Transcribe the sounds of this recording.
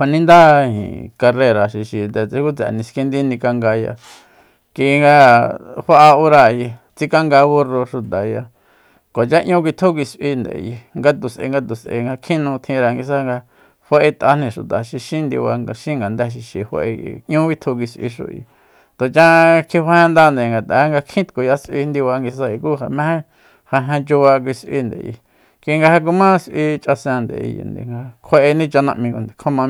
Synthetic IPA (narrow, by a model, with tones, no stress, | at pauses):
hʷa˧nĩ˦nd̪a˦hḭ̃˨ka˧re˧ɾa˨ʃi˧ʃi˨nd̪e˧t͡se˧˦ku˦t͡sa̰˨nĩ˧ski˧nd̪i˦nĩ˧ka˧ŋɡa˧ja̰˧ | ki˧ŋɡa˧ha˦ʔa˧o˧ɾa˧˨˧ji˧ | t͡si˦ka˦ŋɡa˧βo˧ro˧ʃu˧t̪a˨ja˧ | ko˨t͡ʃa˦ʔɲũ˦k̬ʷi˧t̪ʰu˦k̬i˧sʔi˧nd̪e˨ḛ˧ji˧ŋɡa˧t̪u˨sʔḛ˧ŋɡa˧t̪u˨sʔḛ˧ŋɡa˧kʰĩ˦nũ˧t̪ʰĩ˧ɾa˧ŋɡi˧s̬a˦ŋɡa˧ | he˧ʔe˧t̪ʔa˧nĩ˧˨ʃu˨t̪a˨ʃi˧ʃĩ˦nd̪ḭ˧βa˧ŋɡa˧ʃĩ˦ŋɡa˨nd̪æ˧ʃ̬i˧ʃi˧˨ho̰˧ʔe˧ḭ˧ʔɲũ˦βi˦t̪ʰo˧k̬ʷi˧sʔḭ˧ʃṵ˧ḭ˨˧ | t̪o˨t͡ʃã˦kʰĩ˧ha˧˦hẽ˧nd̪a˦nd̪e˨ŋɡa˨t̪a˨˦ŋɡa˧kʰĩ˦t̪ko˨ja˧sʔi˧nd̪i˧βa˧ŋɡi˧s̬a˧i˧kuː˦ɦa˨mẽ˦hẽ˦ | ha˧ɦẽ˧t͡ʃu˧βa˧k̬ʷi˧sʔḭ˧nd̪ḛ˨jḭ˧˨ | kʷi˧ŋɡa˧ha˧k̬u˧mã˦sʔi˧t͡ʃʔa˧sã˧nd̪ḛ˨˧jḭ˨nd̪ḛ˨ŋɡa˧kʰe˧ʔe˧nĩ˦t͡ʃa˧nã˧ʔmĩ˧ku˧nd̪e˨kʰõ˦mã˧